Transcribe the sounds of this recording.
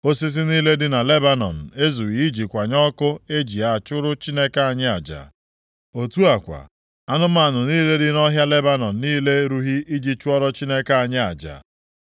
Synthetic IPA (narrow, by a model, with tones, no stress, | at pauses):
o˦si˦s̬i˦niː˦le˦dɪ˦na˨le˦ba˦nɔ̰˨n̩˨e˦zu˨ɣi˨i˦d͡ʒi˨kʷa˨ɲɔ˦kʊ˦e˦d͡ʒi˨a˨t͡ʃʊ˦ɾʊ˦t͡ʃi˦ne˦ka˦a˨ɲɪ˦a˨d͡ʒa̰˨ | o˨tu˦a˨kʷa̰˨ | a˦nʊ˦ma˦˨a˨nʊ˨niː˦le˦dɪ˦nɔ˦ɦja˦le˦ba˦nɔ˨n̩˨niː˦le˦ɾu˦ɦi˦i˦d͡ʒi˨t͡ʃʊ˦ɔ˦ɾɔ˦t͡ʃi˦ne˦ka˦˨a˨ɲɪ˦a̰˨d͡ʒa̰˨